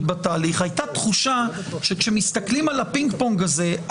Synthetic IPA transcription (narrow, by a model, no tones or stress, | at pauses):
t̚bataːliχhajt̪at̪χuʃaʃe̞kʃemist̪aklimalapiŋɡpoŋɡaze̞ʔ